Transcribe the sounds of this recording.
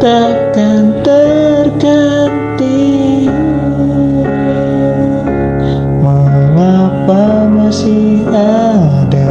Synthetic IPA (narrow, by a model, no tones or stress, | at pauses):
t̪a | kant̪ərkant̪i | maŋapamasihha | da